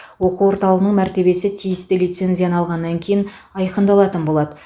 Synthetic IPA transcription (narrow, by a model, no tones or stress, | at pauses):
wo̞quwo̞ɾt̪ɑlˠəʁənəɴmæɾt̪e̞be̞sɪt̪ʰijɪst̪ɪlijt̪se̞nzijɑnɑlˠʁɑnːɑŋkʲʰejɪn | ɑjqənd̪ɑlˠɑt̪ənbo̞lˠɑd̪ə